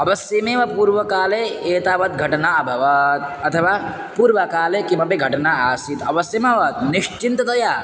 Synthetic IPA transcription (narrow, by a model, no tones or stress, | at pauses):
ɐʋɐsjɐmeːʋɐpuːɾʋɐkaːleeːt̪aːʋɐt̪̚ɡʱɐʈɐnaɐbʱɐʋɐt̪̚ɐt̪ʰɐʋaː | puːɾʋɐkaːlekimɐpeɡʱɐʈɐnaaːsit̪ɐʋɐsjɐmɐʋɐt̪̚niʃt͡ʃint̪ɐt̪ɐjaː